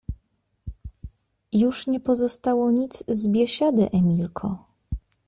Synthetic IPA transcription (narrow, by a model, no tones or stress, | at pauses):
juʂɲɛpɔzɔst̪awɔɲit̪zzbʲjɛɕad̪ɘʔɛmʲilkʰɔ